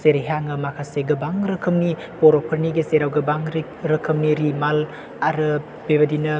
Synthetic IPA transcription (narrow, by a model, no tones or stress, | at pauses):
seɾeɦaŋɐmakʰaseɡɐbaŋɾɐkʰɐmni | poɾopʰɐɾniɡeseɾawɡɐbaŋɾ | ɾɐkʰɐmniɾimal | aɾɐ | bebɐdinɐ